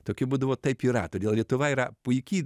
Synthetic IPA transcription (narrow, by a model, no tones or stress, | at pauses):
t̪oːkʲɪbuːd̪ɐʋoːt̪ɐɪpiːɾɐ̰t̪oːdʲeːlˠlʲiɛt̪ʊʋɐiːɾɐpʊjkʲiː